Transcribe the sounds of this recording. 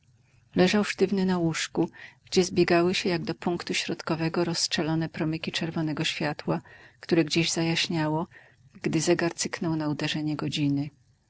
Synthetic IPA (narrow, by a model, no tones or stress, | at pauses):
lɛʐawʂt̪ɘvnɘnawuʂkuɡ̥d͡ʑɛzbʲjɛɡawɘɕɛjaɡd̪ɔpuŋkt̪uɕɾɔt̪kɔvɛɡɔɾɔsʂɛlɔnɛpɾɔmɘkʲit͡ʂɛɾvɔnɛɡɔɕfʲjat̪wakt̪uɾɛɡd͡ʑeʑzajaɕɲawɔ | ɡd̪ɘzɛɡaɾt̪sɘknɔwnaud̪ɛʐɛɲɛɡɔd͡ʑinɘ